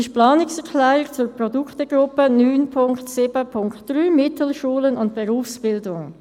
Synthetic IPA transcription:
ɪʃplɑːnɪksɛʁkʰlɛːʁɪkt͡sʊɾpʁɔdʊktəɡ̥ɾʊpənyːnpʰʊŋktsɪbəpʰʊŋktd̥ʁyːmɪtʰəl̩ʃuːlənʊntb̥ɛʁuːfsb̥ɪldʊŋ

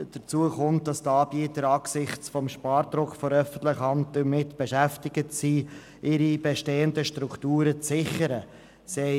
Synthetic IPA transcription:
d̥ət͡suəχʊnt̚d̥ɑstɑːbiətəɾɑːksɪχt͡sfɔmʃpɑːɾdɾʊkfɔɾœfən̩tlɪχhɑntdəmɪtb̥eʃæftɪɡətsiː | ʔɪɾib̥eʃteːəndəʃtɾuktuːɾət͡sːɪχəɾə | sɛɪ

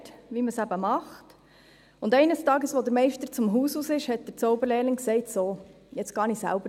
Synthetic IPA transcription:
tʋiməsæbəmɑχt | ʊndɛɪnəstɑːɡəsʋod̪əɾmɛɪʃtəɾt͡sʊmɦuːsuːsɪʃhɛt̚d̥̪əɾt͡sɔʊbəɾlɛːlɪŋksɛɪtsoː | jɛt͡sɡ̥ɑnisæ̰lbə

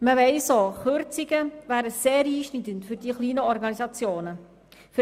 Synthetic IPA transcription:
məʋɛɪsoχøɾt͡siɡəʋæːɾəseːɾiːʃnidəntfyɾdiːχliːnəɔɾɡɑnizɑt͡sjoːnə | f

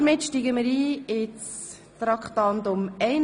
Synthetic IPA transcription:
ɾmɪtʃtiːɡəməɾiːɪt͡s | t̪ɾɑkχtɑnt̪ʊmɛɪn

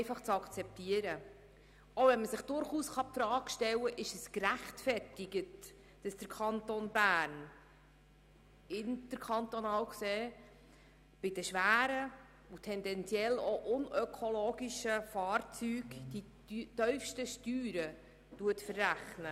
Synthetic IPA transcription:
ɛɪfɑχt͡sɑkt͡sɛp̚tiəɾə | ovɛnməsɪχd̥ʊɾχuːsχɑp̚t̪ɾɑːkʃtɛwəʔɪʃɛskɾæχtfɛrtɪɡət | d̥ɑsd̥əɾkʰɑntonbæːɾn | ɪntəɾkʰɑntonɑːwkseː | b̥ɪd̥əʃʋæːɾə | utʰɛndɛnt͡sjɛloʔʊnœkʰoloːɡiʃəfɑːɾt͡syːɡd̥i | tœʏfʃtəʃtyːɾə | tuətfərːæχnə

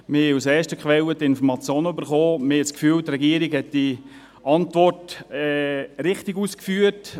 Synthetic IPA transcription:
mɪhɛusɛːʃtəkχʋɛlətɪnfɔɾmɑt͡sjoːnəybəɾχoːmɪhɛskfyːltrɛɡiəɾɪɡhɛt̚d̥i | ɑntʋɔrtɛɾɪχtiɡuskfyːət

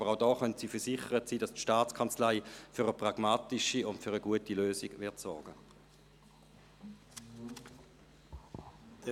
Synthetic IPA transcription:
b̥əʁaʊdɔːχœntsiːfəɐsɪχəʁətsiːdɑstʃtaːtt͡skʰɑnt͡slaɪføʁəpʁɑɡ̥maːtiʃiʊntføːʁəɡuətiløːsiɡvɪɐtsɔɐɡə

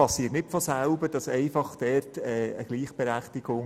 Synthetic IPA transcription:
ɑsiːətnɪtfɔsælbəd̥ɑsɛɪfɑχd̥ɛrtɛːəɡ̥liːχb̥ɛɾæχtɪɡ̥ʊŋ

